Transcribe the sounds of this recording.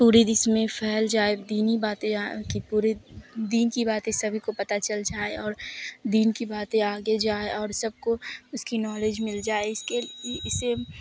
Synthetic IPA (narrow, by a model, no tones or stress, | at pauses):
puːɾed̪ɪsmẽfʰɛɦld͡ʒaːɪbd̪iːnibaːt̪ẽakipuːɾed̪iːnkibaːt̪ẽsɐbʱikopɐt̪at͡ʃɐld͡ʒaːeɔːɾd̪iːnkibaːt̪ẽaːɡed͡ʒaːeʔɔːɾsɐb̚koʊskinɔːleːd͡ʒmɪld͡ʒaːeɪseɪse